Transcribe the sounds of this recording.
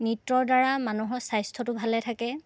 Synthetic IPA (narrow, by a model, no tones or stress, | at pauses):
nitɹɔɹdaɹamanuɦɔɹsajstʰɔtʊbʱalɛtʰakɛ